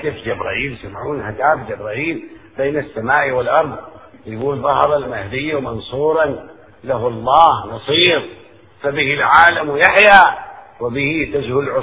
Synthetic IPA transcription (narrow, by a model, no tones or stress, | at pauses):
ɪfd͡ʒabɾˤa̰ːʔiːljsamʕuːnhad̪aːbd͡ʒabɾˤaːʔiːlb̥eːnasːamaːʔwɪlʔɑɾˤðˤjɡuːlðˤɑhɾˤɑlmahd̪ɪjːawmɑnsˤuːɾˤɑn | laɦlˤːɑːhnɑsˤiːɾ | fabɪhɪlʕaːlamwɪjaħja | wɪbɪhit̪ad͡ʒhʊlʕʊ